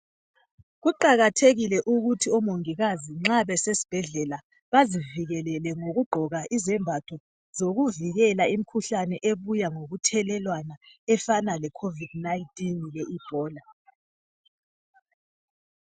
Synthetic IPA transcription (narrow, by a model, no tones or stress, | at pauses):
ɣuǃaɣatʰeɣilɛʔuɣutʰiɔmoŋiɣaziŋ͡ǁaβɛsesi̥b̥ʱɛɮɛla | βaziviɣɛlɛlɛŋoɣuɡ͡ǃʱɔɣaʔizɛmbʱatʰɔ | zoɣuviɣɛlaim̩kʰuɬanɛʔeβujaŋoɣutʰɛlɛlwanaɛfanalɛkʰovid̥̚naintʼinlɛʔib̥ʱɔːla